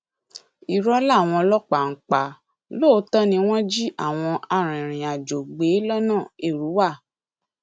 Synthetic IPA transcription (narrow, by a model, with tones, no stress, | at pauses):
i˨ɾɔ˦la˦˨w̃ɔ̃˧lɔ˦k͡pa˨ŋ̩˨˦k͡pa˨ | lo˦˨˧tɔ˦nĩ˧w̃ɔ̃˦d͡ʒi˦ʔa˦˨w̃ɔ̃˧ʔa˧ɾ̃ĩ˨ɾ̃ĩ˨a˨d͡ʒo˨ɡ͡be˨˦lɔ˦nãː˦˨e˨ɾu˨˦wa˦˨